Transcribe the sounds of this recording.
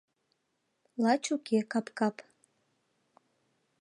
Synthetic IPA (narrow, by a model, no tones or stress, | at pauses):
lɑt͡ɕukekɑpkɑp